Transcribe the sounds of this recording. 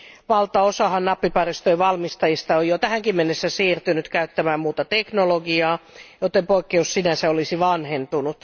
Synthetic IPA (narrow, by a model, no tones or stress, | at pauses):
ʋɑlt̪ːˑɑosɑhɑnnɑpːipɑrist̪øiʋɑlmist̪ɑjist̪ɑojot̪æhæŋkimːenːesːæsiːrt̪ynyt̪kæyt̪ːæmæːmmuːt̪ɑt̪eknoloɡiɑːjot̪ːempoikːeussinæseolisiʋɑnhent̪unut̪